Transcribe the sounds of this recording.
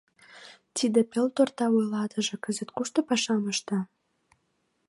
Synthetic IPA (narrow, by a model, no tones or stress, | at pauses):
t̪id̪ĕpelt̪ort̪ɑujlɑt̪ə̆ʒĕkə̆zə̆t̪kuʃt̪ɤ̆pɑʃɑməʃt̪ɑ̆